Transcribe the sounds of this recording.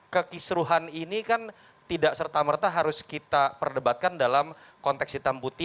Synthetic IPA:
kəkisɾuɦaninikan | t̪idaʔsərt̪amərt̪aɦaɾʊskit̪apərdəbat̪̚kandalam | kɔnt̪ɛksit̪amput̪ɪ

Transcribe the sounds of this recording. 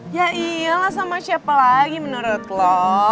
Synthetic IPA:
jaʔialahsamat͡ʃapalaɡimənəɾət̪lɔ

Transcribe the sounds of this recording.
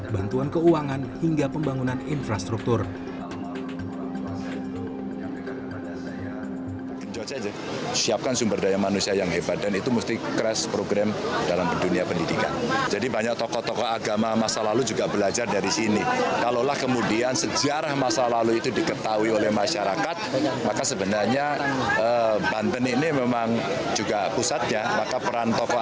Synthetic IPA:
bant̪uankəuaŋanhiŋɡapəmbaŋunaninfɾast̪ɾuk̚t̪ʊr | kəɲd͡ʒɔt͡ʃad͡ʒɛ | siap̚kansumbərdajamanusiajaŋɦebat̪̚danit̪umust̪ikɾɛspɾoɡɾamdalamduniapəndidika̰nd͡ʒadibaɲak̚t̪ɔkɔt̪ɔkɔaɡamamasalalud͡ʒuɡabəlad͡ʒardaɾisinikalolahkəmudiansəd͡ʒaɾahmasalaluit̪udikət̪auiolɛhmaʃaɾakat̪̚makasəbənarɲaəbant̪əninimemaŋ | d͡ʒuɡapusat̪̚ɲamakapəɾant̪ɔkɔ

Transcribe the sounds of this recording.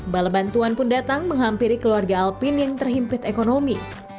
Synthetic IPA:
balabant̪uanpʊndat̪aŋməŋɦampiɾikəluarɡaːlpɪnjaŋt̪ərɦimpɪt̪ekonomi

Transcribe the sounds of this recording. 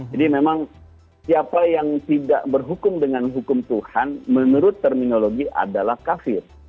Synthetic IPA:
d͡ʒadimemaŋ | siapajaŋt̪ida̰ʔbərɦukʊmdəŋanɦukʊmt̪uhanmənuɾʊt̪ːərminoloɡiʔa̰dalahkafɪr

